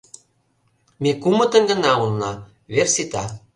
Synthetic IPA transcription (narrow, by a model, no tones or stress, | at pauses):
mekumə̆t̪ə̆nɡə̆nɑulnɑ | βersit̪ɑ